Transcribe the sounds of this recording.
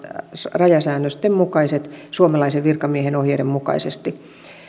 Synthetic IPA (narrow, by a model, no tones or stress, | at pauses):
rɑjɑsæːnːøst̪emmukɑiset̪suomɑlɑiseʋʋirkɑmiehenohjeːɾemmukɑ̰isest̪i